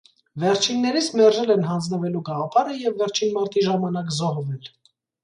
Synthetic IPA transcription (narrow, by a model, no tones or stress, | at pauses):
vɛɾt͡ʃʰinːɛɾit͡sʰmɛɾʒɛlɛnɦɑnd͡znəvɛluɡɑʁɑpʰɑɾəjɛvːɛɾt͡ʃʰinmɑɾt̪iʒɑmɑnɑk̬zɔhvɛl